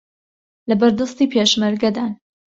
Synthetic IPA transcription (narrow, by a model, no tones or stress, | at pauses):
lɐbɐɾd̪ɐst̪iːpʰeʃmɐɾɡɐd̪aːn